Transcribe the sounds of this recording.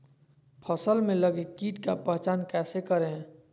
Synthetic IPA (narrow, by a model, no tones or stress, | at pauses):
pʰəsəlmẽləɡekiːʈkapəɦt͡ʃaːnkɛːsekəɾeɦ